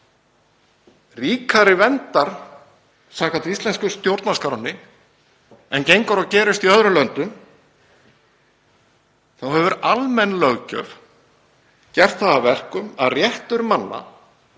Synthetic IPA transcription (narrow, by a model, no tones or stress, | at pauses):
riːkʰaɾɪvɛnt̪aɾ̥ | saːkɾant̪ist̪lɛnskʏst̪jowɾt̪naskaɾanːɪ | ɛncejŋkaɾɔcɛːɾɪst̪iœðɾʏlœnt̪ʏm | θawhɛvʏɾalmɛnːlœɣcœ̰f | cɛr̥t̪θaðavɛr̥kʏma̰ðrjɛht̪ʏɾmanːa̰